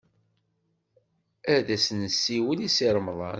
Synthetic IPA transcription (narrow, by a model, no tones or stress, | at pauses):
æðæsnəsːiwənisiɾˤmðˤɑ̰n